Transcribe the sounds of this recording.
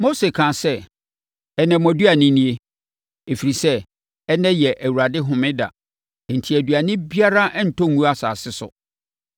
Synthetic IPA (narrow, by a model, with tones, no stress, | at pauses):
mo˦se˨kʰãː˨sɛ˦ | ɛ˨nɛ̃˨m˨ɔ̃˨du˦a˨nɪ̃˦nĩ˦e˦ | e˨fi˨ɾi˨sɛ˦ | ɛ˦nɛ̃˦jɛ˨ʔæ˨wu˨ɾa˨dɪ˦ɦʊ̃˨mɪ̃˦da̰˨ | n̩˨tʰi˨æ˨dɥa˨nɪ̃˦bi˦a˦ɾa˦ʔn̩˨tʰɔ̃˦˨ŋũ˦a˨sa̰ː˨sɪ˦sʊ̰˨